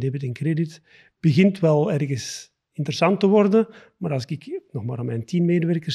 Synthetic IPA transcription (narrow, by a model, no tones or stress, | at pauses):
dɛbətɛnkredɪt | b̥əɣɪntʋɛlˠɛrɣəs | ɪntəɾəsɑntəʋɔrdə | maːɾɑlˠsɪkɪknɔxmaːɾɔmɛjntʰinmeːdəʋɛrkə